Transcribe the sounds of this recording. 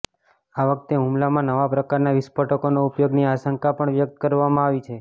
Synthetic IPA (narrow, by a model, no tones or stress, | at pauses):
aʋək̚t̪eɦũmlamãnəʋapɾəkaɾnaʋɪspəʈəkonoupjoɡniaʃəŋkapəɳʋjək̚t̪̚kəɾʋamãaʋit͡ʃʰe